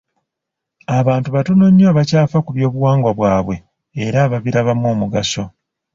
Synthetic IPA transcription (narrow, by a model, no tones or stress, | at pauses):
aβaːntuβatono̞ɲːaːβacaːfakuβjo̞ːβuwaːŋɡwaβwaːβwe̞ː | ɾaβaβiɾaβamːoːmuɡaso̞